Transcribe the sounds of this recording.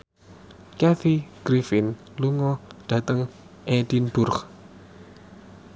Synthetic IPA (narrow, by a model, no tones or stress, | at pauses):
kɛθiɡ̥ɾifɪn | luŋɔd̪̥ä̤t̪əŋ | ʔedinb̥ʊrχ